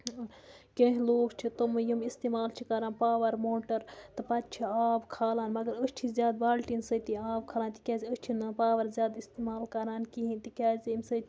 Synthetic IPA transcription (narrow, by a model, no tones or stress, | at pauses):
kʲẽɦĩloːɡt͡ʃʰit̪omɨjimist̪iːmaːlt͡ʃʰikɐɾaːnpaːʋɐɾmoːʈɐɾt̪ɨpɐt̪̚t͡ʃʰiaːbkʰaːlaːnmɐɡɐɾəst͡ʃʰizʲjaːd̪̚baːlʈinsət̪iaːb̚kʰaːlaːnʲt̪i̥kʲaːziəsʲt͡ʃʰinɐpaːʋɐɾzjaːd̪ist̪imaːlkɐɾaːnkiɦint̪ikʲaːzʲimʲsə